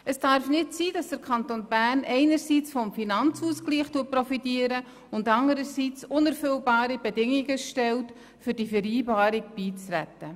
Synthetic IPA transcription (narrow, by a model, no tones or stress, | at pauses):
əsd̥ɑɾfnɪtsiːd̥ɑsd̥əkʰɑntonbæːrnɛɪnəɾsiːt͡sfɔmfinɑnt͡suːskliːχtuːət̚prɔfitiːəɾə | ʊndɑndəɾəsiːt͡sʊnɛɾfʏlbɑːɾib̥ɛdɪŋiɡəʃtɛlt | fʏɾd̥ifɛɾiːbɑːɾɪɡ̚b̥iːt͡srɛ̰tːə